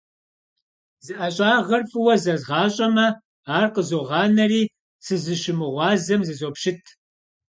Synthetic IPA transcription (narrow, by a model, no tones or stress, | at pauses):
zɨʔɐɕʼɑːʁɐrfʼɨwɐzɐzʁɑːɕʼɐmɐ | aːrqəzoːʁɑːnɐriː | sɨzɨʃɪmɨʁʷɑːzɐmzɨzopʃɪtʰ